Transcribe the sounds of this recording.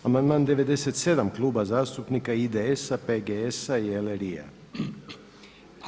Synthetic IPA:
amanmand̪eβed̪eset̪sed̪amklubazast̪upnikaid̪eesapeɡeesaieleɾia̰

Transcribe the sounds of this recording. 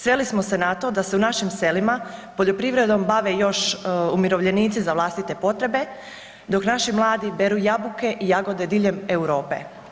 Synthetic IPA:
sʋe̞lismo̞se̞nat̪o̞d̪aseunaʃimse̞limapo̞ʎo̞pɾiʋɾe̞d̪o̞mbaʋejo̞ʃumiɾo̞ʋʎe̞niːt̪sizaʋlˠast̪it̪e̞po̞t̪ɾe̞be̞ | d̪o̞knaʃimlˠaːd̪ibeɾujabuke̞ʔijaɡo̞d̪e̞d̪iʎe̞mewɾo̞ːpḛ

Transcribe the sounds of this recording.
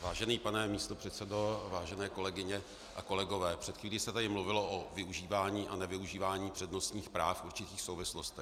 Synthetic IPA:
vaːʒɛniːpanɛmiːst̪o̞pr̥ɛt̪sɛdo̞vaːʒɛnɛːko̞lɛɡɪɲɛ | ʔako̞lɛɡo̞vɛːpr̥ɛt̪xviːliːsɛt̪adɪmluvɪlo̞ʔovɪuʒiːvaːɲiːʔanɛvɪuʒiːvaːɲiːpr̥ɛdno̞st̪ɲiːxpɾaːfʔuɾt͡ʃɪt̪iːxsowvɪslost̪ɛx

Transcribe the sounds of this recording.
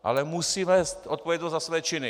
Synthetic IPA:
ʔa̰lɛmusiːmɛst̪ot̪̚povjɛd̪nozasvɛːt͡ʃɪnɪ

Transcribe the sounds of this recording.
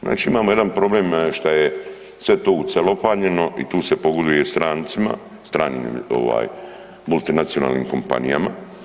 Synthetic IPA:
za̰ːt͡ʃiimaːmoje̞d̪anpɾo̞bleːmʃt̪aje | sʋe̞t̪oːut̪selo̞paːɲe̞no̞ʔḭt̪uːse̞po̞ɡod̪ujest̪ɾaːnt̪sima̰ | st̪ɾaːnḭmmo̰ʋa̰ːj | mulˠt̪inat̪siona̰ːlnḭːmko̞mpa̰nḭja̰ma̰

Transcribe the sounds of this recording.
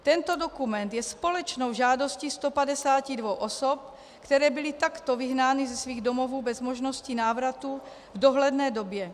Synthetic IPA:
t̪ɛnt̪odo̞kumɛnt̪jɛspo̞lɛt͡ʃno̞wʒaːdo̞scist̪opadɛsaːcidvowʔosop̚ | kt̪ɛɾɛːbɪlɪt̪akt̪ovɪɦnaːnɪzɛsviːɣdomo̞vuːbɛzmoʒno̞scinaːvɾat̪u | vdo̞ɦlɛdnɛːdo̞bjɛ

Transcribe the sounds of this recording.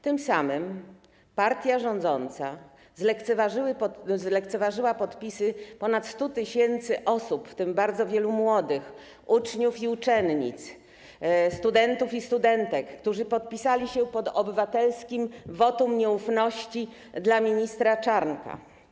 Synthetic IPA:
t̪ɘmsamɘm | paɾt̪ʲjaʐɔnd̪zɔnt̪sa | zlɛkt̪sɛvaʐɘwɘpɔzlɛkt̪sɛvaʐɘwapɔt̪pʲisɘpɔnat̪st̪ut̪ɘɕɛnt̪sɘʔɔsupft̪ɘmbaɾd̪zɔvʲjɛlumwɔd̪ɘx | ut͡ʂɲufiut͡ʂɛnɲḭt̪s | st̪ud̪ɛnt̪ufist̪ud̪ɛnt̪ɛkːt̪uʐɘpɔt̪̚pʲisalʲiɕɛpɔd̪ɔbɘvat̪ɛlskʲimvɔt̪umɲɛufnɔɕt͡ɕi | d̪lamʲiɲist̪ɾat͡ʂaɾnka̰

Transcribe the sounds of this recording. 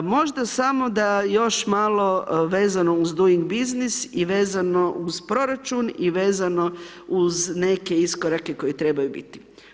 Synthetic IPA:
mo̞ʒd̪asamo̞d̪ajo̞ʃmaːlˠo̞ʋe̞ːzano̞uzd̪uiŋɡbiznisiʋe̞ːzano̞ʔuzpɾo̞ɾat͡ʃuniʋeːzano̞ | uzne̞ke̞iskoɾake̞ko̞jit̪ɾe̞bajubḭt̪i̥

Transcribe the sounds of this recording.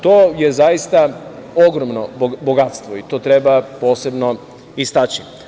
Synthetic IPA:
t̪oːje̞zajist̪aoɡɾomnoboɡat̪st̪ʋoit̪o̞ːt̪ɾe̞bapo̞ːse̞bno̞ | ist̪at͡ɕi

